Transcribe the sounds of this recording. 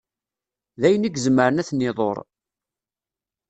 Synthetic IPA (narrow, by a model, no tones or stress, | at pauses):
ðæjəniɡzəmːəɾənæθnːɪðˤo̰ɾˤ